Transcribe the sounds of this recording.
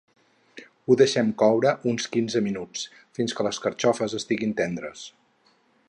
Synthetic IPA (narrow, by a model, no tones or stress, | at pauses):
uðəʃɛmkɔwɾəʔunskinzəminut͡s | finskələskəɾt͡ʃɔfəzəst̪iɣint̪ɛnd̪ɾə̰s